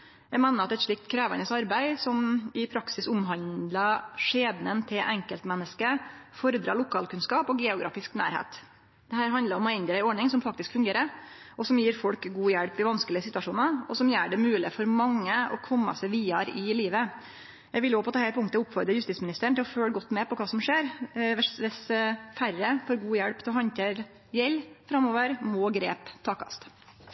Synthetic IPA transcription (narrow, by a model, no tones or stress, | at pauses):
jæɡmɛːnəɾɑt̪ɛt̪ʂɭɪk̚t̪kʰɾæːʋɑ̰nəsɑɾbæɪsɔmɪpʰɾɑksɪsʊmɦɑnd̪lɑʂeːd̪nənt̪ʰɪʔɛŋkəlt̪mɛnːəskəfɔɾəd̪ɾɑ̰ːɭʊkʰɑːlkʉnskɑːpɔɡeːʊɡɾɑ̰ːfɪsknæ̰ːɾhḛːt̪ | d̪̥ɛhæːɾɦɑnd̪əɾɔmæɪnd̪əɾæɪɔɳɪŋsɔmfɑkt̪ɪskfʉŋɡeːɾəʔɔsɔmjiːɾfɔlkɡuːjɛɽpɪʋɑnskəlɪəsɪt̪ʉʋɑʂuːnəɔsɔmjæːɖɛmʉːlɪfɔɾmɑŋːəɔ̰kʰɔmːɑ̰sɛɪʋiːɑɾɪliːʋə | jɛɡʋɪljopʰɔt̪ʰɑːhæɾpʰʊŋt̪əʊpːfɔɾd̪ɾəɾjʉst̪iːtsmɪnɪst̪əɾɳ̩ɪlɔføːɽəɡɔt̪ːmɛpɔkʰɑːsɔmʂeːɾʋɛsʋɛsfærːəfɔɾɡuːjɛɽpt̪ʰɔhɑnt̪eɾ | jɛlfɾɑmoːʋəɾmɔːɡɾeːpt̪ʰɑːkʰɑ̰st̪